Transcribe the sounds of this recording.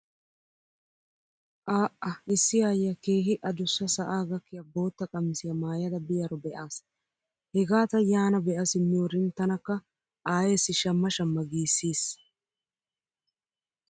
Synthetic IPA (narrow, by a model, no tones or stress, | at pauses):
ʔaːʔɐɪsːɪjaːjːɐkeːɦɪʔɐd̪ʊsːɐsɐʔaːɡɐkːɪjɐbo̞ːt̪ːɐkʼɐmɪsɪjɐmaːjɐd̪ɐbɪjɐɾɔbɛʔaːs | hɛɡaːt̪ɐjaːnɐbɛʔɐsɪmːɪɔɾɪnt̪ːɐnɐkːɐ | ʔaːjeːsːɪʃɐmːɐʃɐmːɐɡiːsːiːs